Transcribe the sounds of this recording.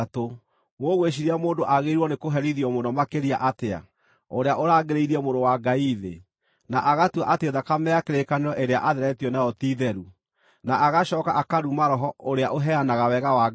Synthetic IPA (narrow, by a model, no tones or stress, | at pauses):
to | woɣweɕ̬iɾiamoːndoʔaɣeɾwɔnekoɦɛɾiðijɔmonɔmakeɾiaʔatea̰ | oɾeaʔoɾaːɡeɾeiɾiɛmoɾowaɡaiðḛ | naʔaɣatwaʔateðakamɛakeɾekaneɾɔʔeɾea̰ʔaðɛɾɛtiɔnajɔtiðɛɾu | naʔaɣaɕɔːkaʔakaɾumaɾɔɦɔoɾeaʔoɦɛanaɣawɛɣawa